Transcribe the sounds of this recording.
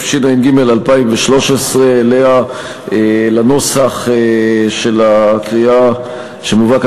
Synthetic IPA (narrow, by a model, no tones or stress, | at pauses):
fʃinainɡime̞lalpaimveʃlo̞ʃesʁeːlea | elano̞saχeʃelakʁia | ʃemuvak